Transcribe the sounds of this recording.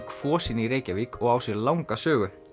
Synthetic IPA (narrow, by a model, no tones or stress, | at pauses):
kfɔːsiniɾeːjcavikʰɔɣawsjɛɾlawŋkasœːɣʏ